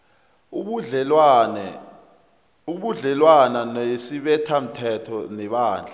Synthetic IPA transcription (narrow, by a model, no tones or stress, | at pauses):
uɓuɮɛlwananjesiɓɛtʰam̩tʰɛtʰɔnɛɓaːnd͡ɮʱa